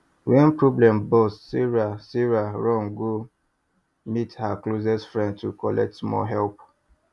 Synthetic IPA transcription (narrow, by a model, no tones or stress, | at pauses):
wɛ̃npɹɔblɛ̃mbɔssiɹasiɹaɹɔ̃ŋɡo | mithaklozɛsfɹɛ̃nd̚tʰukɔlɛ̰k̚tmɔ̰ɦɛlp